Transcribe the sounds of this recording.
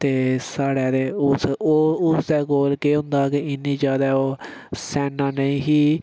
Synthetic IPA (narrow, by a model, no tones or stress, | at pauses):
t̪eːsaːɽɛːd̪eːʊsoːʊsd̪ɛːkoːlkeːɦʊ̃nd̪aːkeɪnĩːzjaːd̪aːoː | sɛːnãːnəĩːɦiː